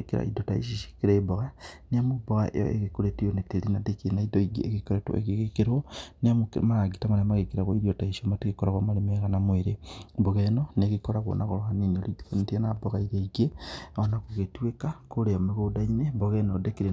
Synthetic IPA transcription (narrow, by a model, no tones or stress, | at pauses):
ekeɾa̰ḭdota̰ḭʃ̬iʃi̥keɾebɔɣaneamobɔɣa̰ʔḛjɔ̰ʔḛɣekoɾetijonetelinadekienaidoiɡḛeɣekoɾetwo̰ḛɣeɣekeɾoneamokmaɾaɡitamaɾemaɣekeɾaɣoiɾiotaiʃiomateɣekoɾaɣwomaɾemaɣanamweɾeboɣɛnoneɣikoɾaɣwo̰naɣoɾohaninolionetianaboɣaiɾeiɡeonakoɣetwekakoɾeameɣodaineboɣɛnodekeɾe